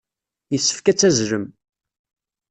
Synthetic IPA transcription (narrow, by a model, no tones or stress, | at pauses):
jəsːə̥fkæt͡sːæzɾəm